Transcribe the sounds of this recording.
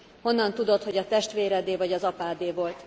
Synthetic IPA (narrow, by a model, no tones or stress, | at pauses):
ho̞nːɒnt̪ud̪o̞t̪ho̞ɟɒt̪ɛʃt̪ʋeːɾɛd̪eːvɒɟɒzɒpaːd̪eːvo̞lt̪